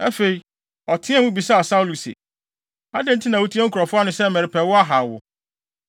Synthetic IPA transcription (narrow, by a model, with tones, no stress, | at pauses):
ɛ˦fe˨i˨ | ɔ˨tʰɪ̃˦ɛ̃˦mũ˦bi˨sa˦a˨sa˦wlu˨sḛ˨ | a˦dɪ̃˦n̩˦tʰɪ˦nã˨wo˦tʰi˦ɛ˦ŋ̩˦kʰɔ˨fʊ˦a˦nʊ̃˨˦sɛ˦˨mɛ̃˨ɾɪ˨pʰɛ˨wʊ˦a˦ɦa˨wʊ̰˨